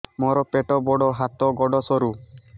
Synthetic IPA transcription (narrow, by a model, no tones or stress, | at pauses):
moɾɔpeʈɔbɔɽɔɦat̪ɔɡɔɖɔsɔɾu